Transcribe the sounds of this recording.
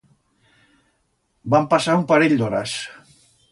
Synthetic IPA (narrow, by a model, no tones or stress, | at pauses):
bampasaumpaɾeʎd̪oɾas